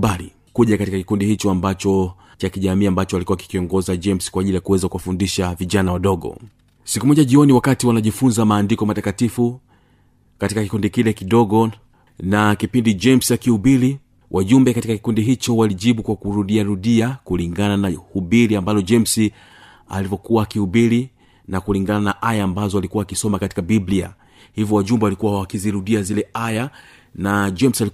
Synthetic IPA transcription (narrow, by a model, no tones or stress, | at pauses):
bali | kuʄakatikaki̥kundihit͡ʃɔambat͡ʃɔ | t͡ʃakiʄamiːambat͡ʃɔalikuwaki̥kiɔŋɡɔzad͡ʒɛmskwaʄilijakuwɛzakuwafundiʃaviʄanawaɗɔɡɔ̰ | sikumɔʄaʄiɔniwakatiwanaʄifunzamaːndikɔmatakatifu | katikakikundikilɛkiɗɔɡɔ | nakipindid͡ʒɛmsiakihubili | wʔaʄumbɛkatikaki̥kundiɦit͡ʃɔwaliʄiɓukwakuɾuɗiaɾuɗiakuliŋɡananahubiliambalɔd͡ʒɛmsi | a̰livɔkuwaːkihubili | nakuliŋɡananaʔajaːmbazɔalikuwaːkisɔmakati̥kabiblia̰ | hivjɔwaʄumbɛwalikuwawakiziɾuɗiazilɛaja | nad͡ʒɛmsali